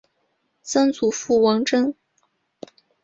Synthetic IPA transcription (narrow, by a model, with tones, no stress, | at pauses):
sɑ˥ŋt͡su˨˩fu˥˩wɑ˧˥ŋʈ͡ʂɤ˥ŋ